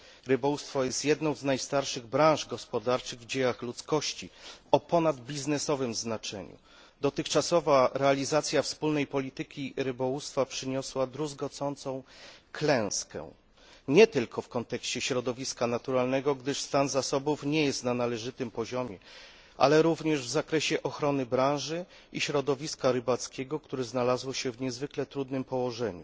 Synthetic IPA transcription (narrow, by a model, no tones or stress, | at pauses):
ɾɘbɔwust̪fɔjɛst̪jɛd̪nɔ̃w̃znajst̪aɾʂɘɣbɾãw̃ʐɡɔspɔd̪aɾt͡ʂɘɣvd͡ʑejaxlut̪skɔɕt͡ɕiɔpɔnad̪bʲiznɛsɔvɘmznat͡ʂɛ̰ɲṵ | d̪ɔt̪ɘxt͡ʂasɔvaɾɛalʲizat̪sʲjafspulnɛjpɔlʲit̪ɘkʲiɾɘbɔwust̪fapʂɘɲɔswad̪ɾuzɡɔt̪sɔnt̪sɔ̃w̃klɛ̃w̃skɛ̰̃ | ɲɛt̪ɘlkʰɔfkɔnt̪ɛkɕt͡ɕɛɕɾɔd̪ɔvʲiskanat̪uɾalnɛɡɔɡd̪ɘʂst̪anzasɔbufɲɛjɛst̪nanalɛʐɘt̪ɘmpɔʑɔmʲjɛ | ʔa̰lɛɾuvɲɛʐvzakɾɛɕɛʔɔxɾɔnɘbɾãw̃ʐɘ | iɕɾɔd̪ɔvʲiskaɾɘbat̪skʲɛɡɔkt̪uɾɛznalazwɔɕɛvɲɛzvɘklɛt̪ɾud̪nɘmpɔwɔʐɛɲṵ